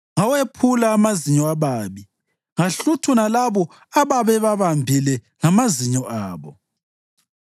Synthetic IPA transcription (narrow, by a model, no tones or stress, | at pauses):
ŋawepʰulaːmaziɲɔaβaːβi | ŋaɬutʰunalaβɔ | aβaβɛβaβambʱilɛ | ŋamaziɲɔʔaːβɔ